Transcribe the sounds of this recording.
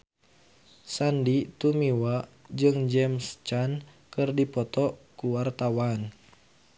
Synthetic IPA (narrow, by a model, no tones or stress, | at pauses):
sandit̪umiwad͡ʒɨŋd͡ʒɛmst͡ʃan | kɨrdipɔt̪ɔkuwart̪awan